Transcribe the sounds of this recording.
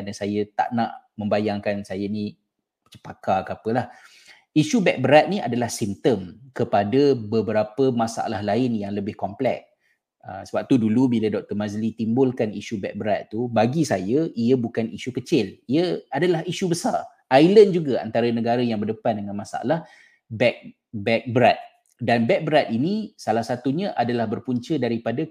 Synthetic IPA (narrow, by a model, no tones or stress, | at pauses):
kanəsajət̪a̰ʔna̰ʔmə̃mbajaŋkansajanĩ | t͡ʃə̥pakakapəlah | iʃubɛk̚bəɾat̪̚niadalahsimt̪əmkəpadəbəbəɾapəmasa̰ʔa̰lahlaɪnjaŋləbɪhkɔmplɛ̰k̚ | ə̰səbap̚t̪udulubilədɔk̚t̪əmazlit̪imbʊlkaniʃubɛk̚bəɾat̪̚t̪ubaɡisajaiabukaniʃukət͡ʃɪliəadalaɦiʃubəsa̰r | ajlənd͡ʒuɡaa̰nt̪aɾanəɡaɾajaŋbərdəpandəŋãnmasa̰a̰lah | bɛk̚ | bɛk̚bɾat̪̚ | danbɛk̚bɾat̪̚inisalahsat̪uɲaʔadalahbərpuɲt͡ʃədaɾipada